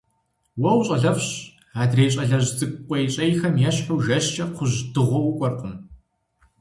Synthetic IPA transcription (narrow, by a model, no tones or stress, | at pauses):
wɔwɕʼɐɮɐfɕ | aːdreːɕʼɐɮɐʑzɨɡqʷʼɔjɕʼejxɐmjɛɕħuːʒɐɕt͡ʃʼɐqʷʰʊʑdɨʁʷɔwʊkʷʼɔrqʷʼʊm